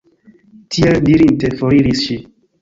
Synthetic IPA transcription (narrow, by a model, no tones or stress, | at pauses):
tʰieldiɾintefoɾiɾisʃi